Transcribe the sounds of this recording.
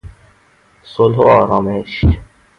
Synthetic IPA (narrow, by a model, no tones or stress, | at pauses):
solɦoɔːɾɔːmeʃ